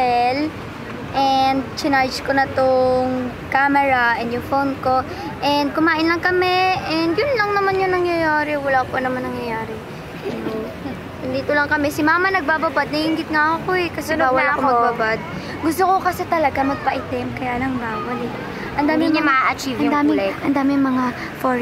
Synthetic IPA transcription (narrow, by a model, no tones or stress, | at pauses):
ɛl | ʔɛnd̪̚t͡ʃɪnajd͡ʒkonɐt̪oŋ | kaːmɛɹɐʔɛnd̪jʊŋfownko̞ | ʔɛnd̪̚kʊmaːʔɪnlɐŋkɐmɛʔɛnd̪jʊnlɐŋnɐmanjʊnɐŋjɐjaːɾɛwɐlaːponɐmanːɐŋjɐjaːɾɛ | ɐnd̪iːt̪olɐŋkɐmɛsɪmaːmɐnɐɡ̚babɐbad̪̚nɐhɪŋɡɪt̪̚ŋaʔɐkoɛkɐsɛnaawɐlakommɐɡbabad̪̚ | ɡʊst̪okokɐsɛt̪ɐlɐɡamɐɡ̚pɐʔɪt̪ɛmkɐjaːlɐŋmaːwɐlɛ | ʔɐnd̪aːmɪɲamɐaʔɐt͡ʃivjʊd̪aːmɪlɛkɐnd̪aːmɪŋmɐŋa | fo